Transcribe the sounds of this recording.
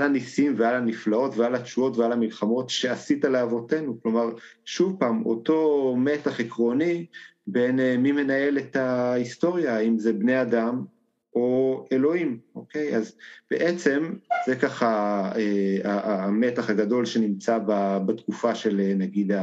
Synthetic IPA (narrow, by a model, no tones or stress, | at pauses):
aanisimvealaniflao̞tvealatt͡ʃuo̞tvealamilχamo̞tʃe̞asitaleavo̞te̞nuklo̞maʁ | ʃuvpaːmo̞̰to̞metaχekʁo̞nibenemime̞nae̞letaisto̞ʁjaimze̞bneadam | ʔo̞elo̞imʔo̞ke̞jazb̥ḛʔet͡se̞mzekaχaeaːmetaχaɡado̞lʃe̞nimt͡sababatkufaʃe̞lenaɡida